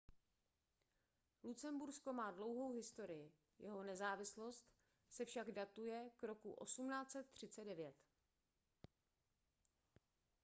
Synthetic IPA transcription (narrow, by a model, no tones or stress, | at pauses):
lut͡sɛmbuɾsko̞maːdlo̞wɦo̞wɦɪst̪o̞ɾɪjɪ | jɛɦo̞nɛzaːvɪslo̞st̪ | sɛfʃaɡdat̪ujɛkɾo̞kṵʔo̞̰sumnaːt͡sɛt̪ːr̝̥ɪt͡sɛdɛvjɛt̪